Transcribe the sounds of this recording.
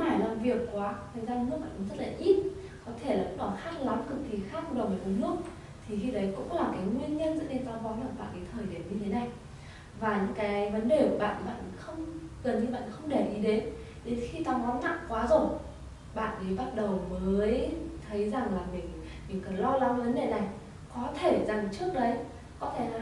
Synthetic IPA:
aː˧˩jlaː˨˩mvi˨˩əkːwaː˨˦t̪ʰə˨˩jzaː˧ɨ˧˦nl̚ɓa̰ː˧˨kːzə˦˥t̚laː˨˩ʔi˦˥t̚ | kɔ˨˦t̪ʰe˧˩la̰˧˨˥ɗɔ˧˩nhaː˦˥t̚la˨˦mkɨ˨˩k̚kːi˨˩xaː˦˥k̚ɗo˨˩məː˨˩ə˨˦lʊ˦˥ək͡p̚ | t̪ʰi˨˩xi˧ɗ̪ə˨˦jkʊ̰˧˥ŋ͡mlaː˨˩kaː˨˦jŋwi˧ənɲə˧nzə̰˧˥ɗe˧˩nt̪aː˧wvɔ˨˦nlaː˧˩mɓa̰ː˧˨nʔɗi˨˦t̪ʰəː˨˩jɗe˨˦nɲɨ˧t̪ʰe˨˦na˨˩j | vaː˨˩ɲɨ̰˧˥ŋkaː˨˦jvə˨˦nɗe˨˩kɓa̰ː˧˨n˨˧˦ɓa̰ː˧˨nxə˧wŋ͡mɣə˨˩nt̪i˧ɓa̰ː˧˨nxə˧wŋ͡mɗe˧˩ʔi˨˦ɗe˨˦n | ɗe˨˦nxi˧t̪a˧wmɔ˨˦nna̰ː˧˨mkwaː˨˦zo˨˩j | ɓa̰ː˧˨nɗi˨˦ɓa˦˥t̚ɗə˨˩wməː˨˦jt̪ʰə˨˦jza˨˩ŋlaː˨˩mï˨˩ŋ̟ | mï˨˩ŋ̟kə˨˧˩lɔ˧la˨˦və˨˦nɗe˧˩na˨˩j | kɔ˨˦t̪ʰe˧˩za˨˩ŋt͡ɕɨ˦˥ək̚ɗə˨˦j | kɔ˨˦t̪ʰe˧˩˧

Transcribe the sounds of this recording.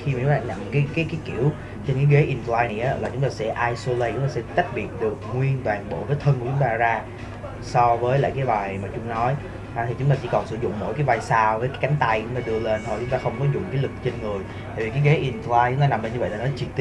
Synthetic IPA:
xi˧ma˨˩ʊ˨˦ŋ͡mt̪aː˧na̰˧˨mkaː˨˦jkaː˨˦kaː˨˦jki˧˩˨əw | t͡ɕe˧nkaː˨˦jɣe˨˦ʔi˧nfaː˧jni˨˩ʔaː˨˦laː˨˩t͡ɕʊ˨˦ŋ͡mt̪aː˧sɛ̰˧˥˩ʔaː˧jso˧lə˧jt͡ɕʊ˨˦ŋ͡mt̪aː˧sɛ˧˥t͡ɕ̪a˦˥k̚ɓi˨˩ət̚ɗɨ˨˩ək̚ŋwi˧ənvaː˨˩ŋɓo̰˧˩vəː˨˦jt̪ʰə˧nkt͡ɕʊ˨˦ŋ͡mt̪aː˧zaː˧ | sɔ˧vəː˨˦jla̰ː˧˨jkaː˨˦jvaː˨˩jmaː˨˩t͡ɕʊ˨˦ŋ͡mnɔ˨˦j | ʔt̪ʰi˨˩t͡ɕʊ˨˦ŋ͡mt̪aː˧t͡ɕḭ˧˥kɔ˨˩nsɨ̰˧˩zʊ̰˧˨ŋ͡mmo̰˧˥jkaː˨˦vaː˨˩jsaː˧wvəː˨˦jkaː˨˦jka˨˦jŋ̟t̪a˧jt͡ɕʊ˨˧˦ŋ͡mt̪aː˧ɗɨ˧əle˧nt̪ʰo˨˩jt͡ɕʊ˨˦ŋ͡mt̪aː˧xə˧wŋ͡mkɔ˨˦jzʊ̰˧˨ŋ͡mkaː˨˦jlɨ˨˩k̚t͡ɕe˧nŋɨ˨˩əj | t̪a̰ː˧˨˩vi˨˩kaː˨˦ɣe˨˦ʔi˧nflaː˧jt͡ɕʊ˨˦ŋ͡mt̪aː˧na˨˩mle˧nɲɨ˧və̰˧˨la˨˩nɔ˨˦t͡ɕi˧˩t̪i˦

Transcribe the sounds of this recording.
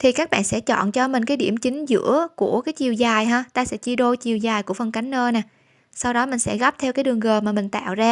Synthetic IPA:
t̪ʰi˨˩kaː˦˥k̚ɓa̰ː˧˨nsɛ̰˧˥t͡ɕɔ̰˧˨nt͡ɕɔ˧mï̟˨˩kaː˨˦jɗi˧˩əmt͡ɕï˨˦ŋ̟zɨ̰˧˥əku˧˩əkaː˨˦jt͡ɕi˨˩əwzaː˨˩jɦaː˧t̪aː˧sɛ̰˧˥t͡ɕi˧ɗo˧t͡ɕi˨˩əwzaː˨˩jku˧˩əfə˧nka˨˦jŋ̟ʔəː˧naː˨˩ | sa˧wɗɔ˨˦mï˨˩ŋ̟sɛ̰˧˥ɣa˦˥p̚t̪ʰɛ˧wkaː˨˦jɗɨ˨˩əŋɣəː˨˩maː˨˩mï˨˩ŋ̟t̪a̰ː˧˨wzaː˧

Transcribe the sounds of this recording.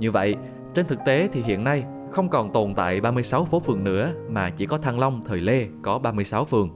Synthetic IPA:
ɲɨ˧və̰˧˨j | t͡ɕe˧nt̪ʰɨ˨˩k̚t̪e˨˦t̪ʰi˨˩ɦḭ˧˨ənːa˧j | xə˧wŋ͡mkɔ˨˩nt̪o˨˩nt̪a̰ː˧˨jɓaː˧mɨ˧əjsa˨˦wfo˨˦fɨ˨˩əŋnɨ̰˧˥əmaː˨˩t͡ɕi˧˩kɔ˨˦t̪ʰaː˧ŋlə˧wŋ͡mt̪ʰəː˨˩jle˧kɔ˨˦ɓaː˧mɨ˧əjsa˨˦wfɨ˨˩əŋ

